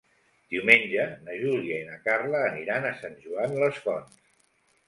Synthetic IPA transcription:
d̪̥iwmenʲʒənəʒuliəinəkarləːniɾanəsanʲʒuanləskɔns

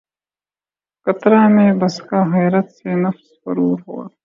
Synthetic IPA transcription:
kɐt̪ɾaːmẽːbɐskaːɦɛːɾət̪senɐfspɐɾuːɾɦo̰ː

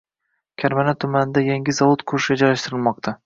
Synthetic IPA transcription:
kʲʰaɾmanat̪ʰʊmanɪd̪ajeŋʲɪzɒvot̪kʰʊʃɪed͡ʒaɾaʃt̪ɪɾɪlˠmɒq̚t̪ʰa

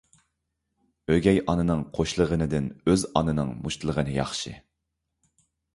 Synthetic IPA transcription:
øɡʲɛjʔɑnɨnɨŋqʰoʃlˠəʁənɨd̪ɪnøzɑ̰nɨnɨŋmuʃt̪ʰɨlˠəʁənɨjɑχʃɨ

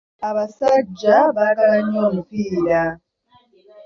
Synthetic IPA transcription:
aβasad͡ʒaβaɺaaɲɔmuɸiːɺa

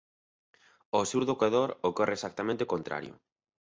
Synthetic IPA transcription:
osewɾðokaðoɾokɔrʔesak̚t̪amẽnt̪ekont̪ɾa̰ɾjʊ̰

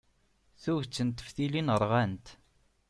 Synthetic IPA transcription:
θuʝt͡sːənt̪ːə̥fθilinəɾˤʁænt̪

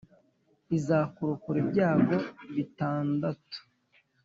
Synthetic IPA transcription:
izaːkuɾukuɾebɟaːɡo̞βitaːndatu̥

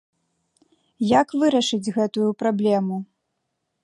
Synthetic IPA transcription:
jakvɨɾɐʂɨd͡zʲɣɛt̪ujupɾablʲɛmu

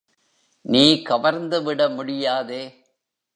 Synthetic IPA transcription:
niːkɐʋɐɾnd̪ɯʋɪɽɐmʊɽɪjaːðeː

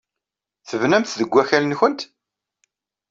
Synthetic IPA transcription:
θəvnæmθðəɡʷːæçælənçənt̪

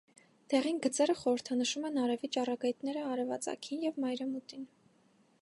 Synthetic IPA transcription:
d̪̥ɛʁinɡət͡sɛɾəχɔɾəɾt̪ʰɑnəʃumɛnɑɾɛvit͡ʃɑrɑɡɑjt̪nɛɾəɑɾɛvɑ̰t͡sɑ̰kʰinjɛvmɑjɾɛmut̪in

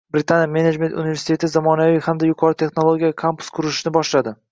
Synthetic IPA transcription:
bɾɪt̪ʰanjame̞ned͡ʒme̞nt̪ṵnive̞ɾsɪ̥t̪et̪ɪzamɒnavijhamd̪ajʊqʰɒɾɪt̪ʰe̞χnolˠoɡʲijakʰampʊ̥skʰʊɾɪʃnɪbɒʃlad̪ɪ

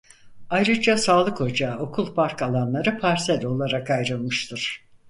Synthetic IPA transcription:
ajɾɯd͡ʒasaːlˠɯkho̞d͡ʒaːo̞kʰulˠpʰaɾkalˠanlˠaɾɯpʰaɾsɛlʲo̞lˠaɾakajɾɯlˠmɯʃt̪ʰɯɾ̥

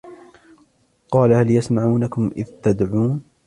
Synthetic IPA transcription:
qɑːlahaljasmaʕuːnakʊmʔɪ̰ðt̪ad̪ʕuːn

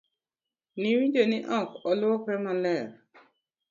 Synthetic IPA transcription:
niwĩd͡ʒoniʔɔkɔlʊɔkɾɛmalɛɾ

